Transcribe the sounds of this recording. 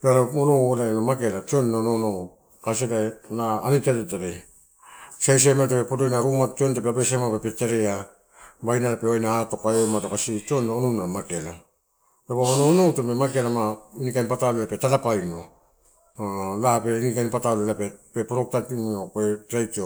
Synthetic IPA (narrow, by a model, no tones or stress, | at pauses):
aɾoonowoɾaenamake̞lat͡ʃionnaononow | kas̬edanaːniteɾetaɾe | sejs̬ematepepodojnaɾumatt͡ʃiontapeabesemapepeteɾea | bajnaɾapeoajnaːtokaomatokasit͡ʃionononamakela | taβaononowtopemakelamainikanpatalelapetaɾapajno | lape̞inikajnpatalelapepepoɾok̚tatinopetɾajtio